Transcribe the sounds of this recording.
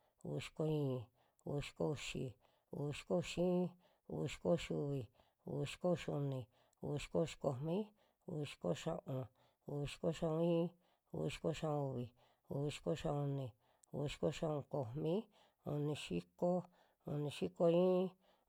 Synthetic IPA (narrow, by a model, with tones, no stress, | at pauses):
u˧ʃi̥˧ko˧ĩː˦˧ | u˧ʃi̥˧˦ko˦u˧ʃi˧ | u˧˨i˧ʃi̥˦ko˦u˧ʃĩ˦˧ | ṵ˧ʃi̥˧ko˦˧ʃu˧βi˨ | ṵ˧i˧ʃi̥˦ko˦u˧ʃu˧nĩ˧ | ṵ˧βʃi̥˦ko˦˧ʃi̥˧ko˧˨mĩ˦ | u˧i˧ʃi̥˧˦ko˦˧ʃã̰˧ʔõ˧ | u˧βi˧ʃi̥˦ko˦˧ʃã˧ũ˧ĩ˦˧ | ṵ˧i˧ʃi̥˧˦ko˦˧ʃã˧õ˧u˧βi˧ | u˧i˧ʃi̥˧˦ko˧˦˧ʃã˧u˧nĩ˧ | ṵ˧ʃi̥˦ko˦˧ʃã˧õ˧ko˧mmĩ˦ | u˧nĩ˧ʃi˦ko˦ | u˧nĩ˧ʃi˦ko˧ĩː˦